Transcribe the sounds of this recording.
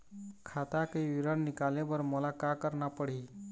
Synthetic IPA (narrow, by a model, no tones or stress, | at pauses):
kʰaːt̪akeʋiɾənːɪkaːlebəɾmɔlakakəɾnapəɽ̤i